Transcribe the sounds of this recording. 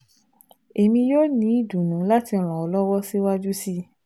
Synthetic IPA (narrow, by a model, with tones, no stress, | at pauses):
e˨mĩ˧joː˦nĩ˨˧˦i˦˨dũ˨nũ˨˦la˦ti˧˨ɾ̃ɔ̃˨ɔ˨˧lɔ˦wɔ˦si˦wa˦d͡ʒu˦si˦